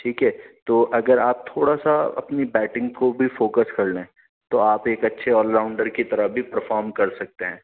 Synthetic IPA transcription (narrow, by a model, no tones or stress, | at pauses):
ʈʰiːkɦɛːt̪oːʔɐɡəɾaːp̚t̪ʰoːɽasaɐ̰pnibɛːʈɪ̃ŋɡ̚kobʱifoːkəskɐɾlẽɛ̃ | t̪oaːpeːkɐtːʃʰeɔːɾlːãːʊ̃ɳɖəɾkit̪ɐɾəɦbʱipɐɾfɔːɾmkɐɾsɐk̚t̪eɦɛ̃ː